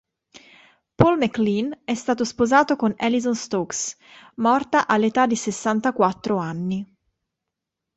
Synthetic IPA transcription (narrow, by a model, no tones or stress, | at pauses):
polmeklinɛst̪aːt̪ospozaːt̪okonɛlizonst̪oks | mɔrt̪aʔalːet̪ad̪ːisesːant̪akwat̪ːɾoanːi